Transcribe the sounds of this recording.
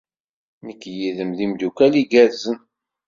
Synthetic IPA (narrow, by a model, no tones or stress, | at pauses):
məkːjiðəmðimd̪ukæliɡæzən